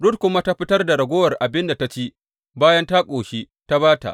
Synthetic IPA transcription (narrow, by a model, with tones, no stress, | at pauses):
ɽʊ˦t̚kʷʊ˦ma˦ta˦ɸɪ˦tɐ˦rda˨ɽɐ˨ɡʷoː˦wɐ˨rʔa˨bɪ˦nda˨ta˦t͡ʃiː˦ | baː˦jɐ˦nta˦kʼoː˨ʃi˦ | ta˦baː˦ta̰˨ʔ